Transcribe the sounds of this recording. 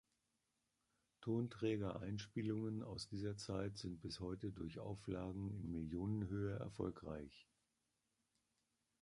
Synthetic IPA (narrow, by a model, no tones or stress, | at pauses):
tʰoːntʁ̥ɛːɡɐʔa̰ɪnʃpiːlʊŋəna̰ʊsd̥iːzɐt͡saɪtz̥ɪnt̚b̥ɪshɔʏtədʊɐçʔa̰ʊflaːɡŋ̩ɪnmɪljoːnənɦøːəɛ̰ɐfɔ̰lkʁa̰ɪç